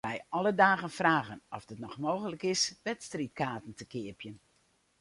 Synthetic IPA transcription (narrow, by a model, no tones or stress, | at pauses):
ɛjɔlədaːɣənfraːɣənɔfdətnɔxmoːɣələkɪsʋɛtstrit̚kaːtn̩təkɪəpjən